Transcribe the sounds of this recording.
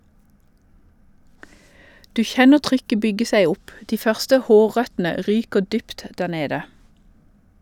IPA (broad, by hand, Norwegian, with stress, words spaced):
ˈdʉː ˈçɛnə ˈtʁʏkə ˈbʏɡə ˈsæɪ ˈʊp ˈdiː ˈfœʁstə ˈhoːˌʁœtn̩ə ˈʁyːkəʁ ˈdyːpt ˈdæːʁ ˈneːdə